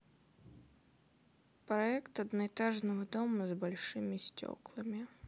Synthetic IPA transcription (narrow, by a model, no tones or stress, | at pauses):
pɾɐɛkt̪ɐd̪nɔɛt̪aʐnɐvɐd̪ɔmɐzbalʲʂɨmʲisʲtʲɔ̰klˠɐmʲi